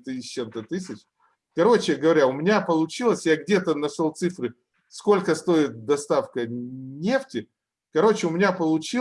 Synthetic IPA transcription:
t̪ɨt͡ɕːemt̪ət̪ɨsʲɪt͡ɕ | kɐɾo̞t͡ɕɪɡəvɐɾʲaʊmʲɪnʲapəlˠʊt͡ɕilˠəsʲjaɡdʲe̞t̪ənɐʂolˠt̪sɨfɾɨ | sko̞lʲkəst̪o̞ɪt̪̚d̪ɐst̪afkənʲe̞ftʲɪ | kɐɾo̞t͡ɕɪʊmʲɪnʲapəlˠʊt͡ɕi

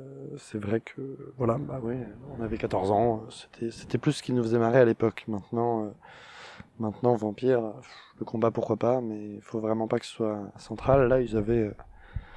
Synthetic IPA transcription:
sɛvʁɛkʰəvwalabawiɔ̃navɛkat̪ɔʁzɑ̃øse̥t̪ʰɛse̥t̪ɛplysə̥kʲilnufəzɛmaʁɛalepɔkmɛ̃t̪nɑ̃ø | mɛ̃t̪nɑ̃vɑ̃pjɛʁfləkɔ̃bapuʁkwapamɛilfovʁɛmɑ̃pakə̥sə̥swasɑ̃t̪χalːailzavɛø

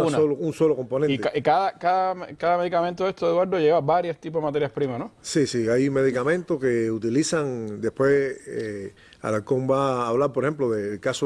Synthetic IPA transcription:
unaolounso̞loko̞mpo̞neneikaðakaðamkaðameðikamẽnt̪oest̪oeðwaɾðoʝeaβabaɾjost̪ip̬oðemat̪e̞ɾjahpɾimanosisiajme̞ðikamẽnt̪ohke̞ut̪ilisaŋd̪e̞pwe̞se | a̰lalkoŋbaːβlaɾpoɾhemploðelkaso

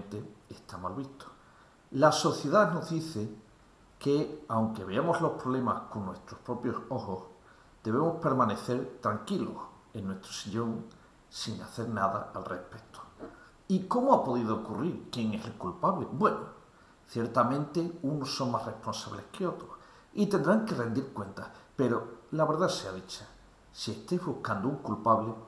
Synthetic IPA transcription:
nt̪eːst̪amalβist̪o̥ | laso̞θjeðanoɦðiθe | keawŋke̞β̞e̞amo̞zlo̞hpɾo̞βle̞masko̞nːwe̞st̪ɾohpɾo̞pjo̞so̞hos | d̪eβemo̞spe̞ɾmãne̞θe̞ɾt̪ɾaŋkilo̰s | e̞nːwe̞st̪ɾo̥siʎo̞ŋ | siŋa̰θe̞ɾnaða̰alrehpe̞t̪o̥ | iko̞moapo̞ðiðookuriɾkje̞ŋe̞selkulpaβlḛbwe̞no | θje̞ɾt̪amẽ̞nt̪e̞unosːo̞ŋmasre̞hpo̞nsaβle̞hke̞o̞t̪ɾos | it̪end̪ɾaŋke̞re̞nd̪iɾkwe̞nt̪ape̞ɾo̞laβe̞ɾðaseaðit͡ʃḁ | sie̞st̪ejzβuhkand̪ouŋkulpaβle

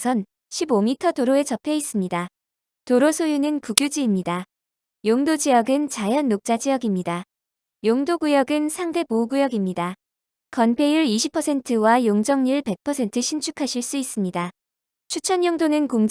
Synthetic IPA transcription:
sʰʌn | ɕʰibomitʰʌdoɾoe̞t͡ɕʌpʰe̞is͈ɯmɲida | toɾosʰojunɯnpuɡjud͡ʑiːmɲida | joŋdod͡ʑijʌɡɯnt͡ɕajʌnːok̚t͡ɕ͈ad͡ʑijʌɡimɲida | joŋdoɡujʌɡɯnsʰaŋde̞bouɡujʌɡimɲida | kʌnpʰe̞juɾiɕʰipʰʌsʰe̞ntʰɯwajoŋd͡ʑʌŋɲiɭpe̞k̚pʰʌsʰe̞ntʰɯɕʰint͡ɕʰukʰaɕʰiɭs͈uis͈ɯmɲida | t͡ɕʰut͡ɕʰʌnjoŋdonɯnkoŋd͡ʑ

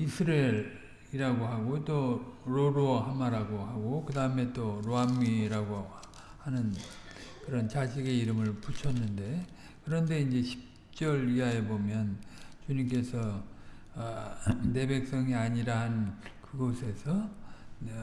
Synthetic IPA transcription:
isʰɯɾeɾ | iɾaɡoɦaɡot͈oɾoɾoɦamaɾaɡoɦaɡokɯdaɯme̞t͈oɾoamːiɾaɡo | hanɯn | kɯɾʌnt͡ɕad͡ʑʰiɡe̞iɾɯmɯɭput͡ɕʰʌnːɯnde̞ | kɯɾʌnde̞ind͡ʑe̞ɕʰi̥p̚ | t͡ɕ͈ʌɾiajebomjʌnt͡ɕuɲimk̬͈e̞sʰʌ | ne̞be̞k̚s͈ʌŋiaɲiɾahannnkɯɡʌsʰe̞sʰʌ

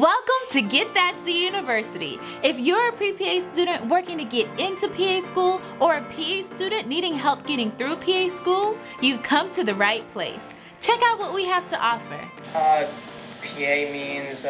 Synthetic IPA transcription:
wɛlˠkə̃mtʰɨɡɛt̪̚ðɨtʰðɨjʉnɨvɜ˞sɨɾḭ | ɨfjə˞ɨpʰɹ̥ipʰieɪstʉɾⁿn̩ʔwɜ˞kɪ̃ŋtʰɨɡɛɾɪ̃ntʰʉpʰieɪskulˠ | ə˞ɨpʰieɪstʉdⁿn̩niɾɪ̃ŋɦɛlˠp̚ɡ̥ɛɾɪ̃ŋθɹʉpʰieɪskulˠ | jɨkʰʌ̃mtʰɨðɨɹaɪt̚pʰl̥eɪs | t͡ʃʰɛkaʊt̚wʌt̚wiɦæftʰəʔɔfə̰˞ | ʌ | pʰieɪmĩnz̥

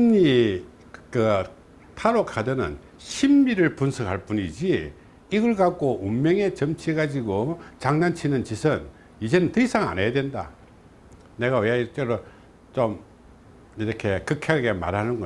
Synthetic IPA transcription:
mɲi | kɯ | tʰaɾokʰadɯnɯ̰n | ɕʰimːiɾɯɭpunsʰɯkʰaɭp͈uɲid͡ʑi | iɡɯɭɡak͈oʔumːʌŋe̞t͡ɕʌmt͡ɕʰiɡad͡ʑiɡot͡ɕaŋnant͡ɕʰinɯnt͡ɕisʰɯn | id͡ʑe̞nɯntɯisʰaŋa̰nejadwenda̰ | ne̞ɣaweit͈eɾo | t͡ɕom | iɾʌkʰe̞kɯkʰjaɡɡema̰ɾɦanɯnɡʌ

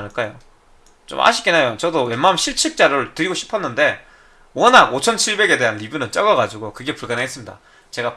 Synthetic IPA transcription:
nɯɭk͈ajo | t͡ɕo̰ma̰ɕʰi̥k͈enajot͡ɕʌdowe̞mːamɕʰiɭt͡ɕʰiɭ̚t͡ɕ͈aɾɯɭtɯɾiɡoɕʰi̥pʰʌnːɯnde̞ | wʌnaɡot͡ɕʰʌnt͡ɕʰiɭbe̞ɡe̞de̞ɦanːibunɯnt͡ɕ͈ʌɡʌɡad͡ʑiɡokɯɡe̞puɭɡaneɦes͈ɯmɲida̰ | t͡ɕe̞ɡa

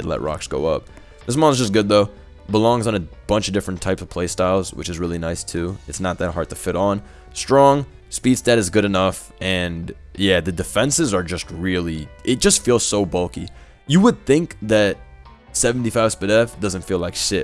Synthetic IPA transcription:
ɨdlɛ̰ʔ̚ɹɑ̰ksɡ̥oʊʌ̰p̚ | ðɪsmɔ̃ɹnzd͡ʒʌs̬ɡ̥ʊd̪̚ðoʊ | bəlɔ̃ŋzn̩ɨb̥ʌ̃nt͡ʃʌdɪfɹɨ̃ntʰaɪpsʌv̥pʰl̥eɪstaɪlˠzwɨ̰t͡ʃɨzɹɪlˠinaɪstʰʉɨtsnət̪̚ðɨt̚ɦɑɹd̚tʰɨfɪɾn̩ | stɹ̥ɔ̃ŋ | spid̥stɛɾɨzɡʊɾɨnʌf | ɨ̃n | jæðɨdɨfɛ̃nsɨzə˞d͡ʒʌst̚ɹɪlˠiʔɨt̚d̥ʒ̥ʌstfilˠz̥soʊbʌlˠki | jɨwəd̪̚θɪ̃ŋkðɨt̚ | sɛvn̩tifaɪv̥spɨɾɛfd̥ʌz̃ntfilaɪkʃɪt̚

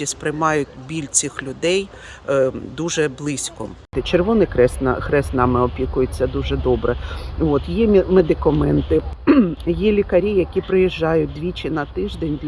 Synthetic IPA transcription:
ispɾɪjmɑjʊtʲbʲilʲt͡s̪ʲixlʲʊd̪ɛj | d̪uʒɛblˠɪsʲkɔ̰ɪt͡ʃerʋɔnɪkɾɛsn̰kɾɛsnɑmɪɔpʲikʊjet͡sʲːɐd̪uʒɛd̪ɔbɾɛʋɔt̪jɛmed̪ɪkɐmɛnt̪ɪ | jɛlʲikɐɾʲijɐkʲipɾɪjiʒːɑjʊt̚ʲd̪ʋʲit͡ʃɪnɐt̪ɪʒd̪ɛnʲ

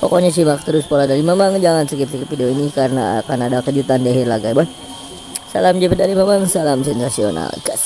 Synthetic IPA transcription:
po̰koɲasimak̚t̪əɾʊspoladaɾimamaŋd͡ʒaŋansəkip̚səkipfideoinikaɾəna̰a̰kanadakəd͡ʒut̪andiaɦirlaɡaban | sa̰lamd͡ʒipət̪̚daɾimamaŋsalamsɛnsasio̰na̰lkas

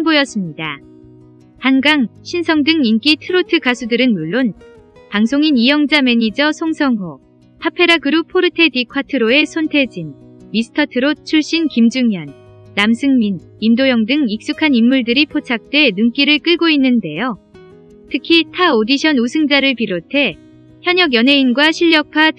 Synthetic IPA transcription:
nbojʌs͈ɯmɲida | hanɡaŋɕʰinsʰʌŋdɯŋink͈itʰɯɾotʰɯkasʰudɯɾɯnmuɭːon | paŋsʰoŋinijʌŋd͡ʑame̞ɲid͡ʑʌsʰoŋsʰʌŋɦo | tʰapʰe̞ɾaɡɯɾupʰoɾɯtʰe̞dikʰwatʰɯɾoe̞sʰontʰe̞d͡ʑinmisʰɯ̥tʰʌtʰɯɾot͡ɕʰuɭɕ͈inkimd͡ʑuŋɦjʌnːamsʰɯŋmin | imdojʌŋdɯŋik̚s͈ukʰanimːuɭdɯɾipʰot͡ɕʰak̚t͈we̞nuŋk͈iɾɯɭk͈ɯɭɡoinːɯnde̞jo | tʰɯkʰitʰaodiɕʰʌnusʰɯŋd͡ʑaɾɯɭpiɾotʰe̞ | çjʌɲʌɡjʌnɦe̞inɡwaɕʰiʎːjʌkʰa

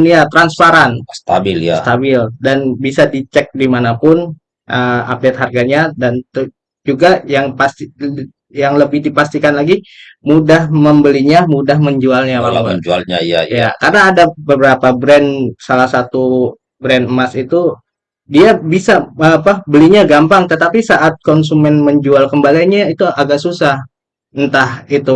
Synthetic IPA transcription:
njat̪ɾanspaɾanst̪abɪlja̰st̪abɪldanbisadit͡ʃɛk̚dimanapʊn | ʔəa̰p̚det̪̚harɡaɲadant̪u | d͡ʒuɡajaŋpast̪i | jaŋləbɪhdipast̪ikanlaɡi | mudahməmbəliɲamudahməɲd͡ʒualɲawaə̰d͡ʒua̰lɲa̰ja̰jakarnaːdabəbəɾapabɾɛnsalahsat̪u | bɾɛnəmasit̪u | diabisaapabəliɲaɡampaŋt̪ət̪apisaʔat̪̚kɔns̬umɛnməɲd͡ʒualkəmbaliɲait̪uaɡaksusah | nt̪ahit̪u

